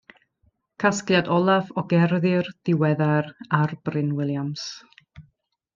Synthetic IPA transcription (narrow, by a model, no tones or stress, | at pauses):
kʰasklˠjadɔlˠavɔɡɛrðɪrð̥ɪwɛðaɾarb̥rɪnwɪlˠjams